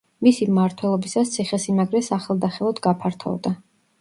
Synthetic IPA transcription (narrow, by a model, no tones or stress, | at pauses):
misimmaɾt̪ʰwɛlˠɔbisast̪sʰiχɛsimaɡɾɛsaχɛlˠd̪aχɛlˠɔd̪ɡapʰaɾt̪ʰɔ̰vd̪a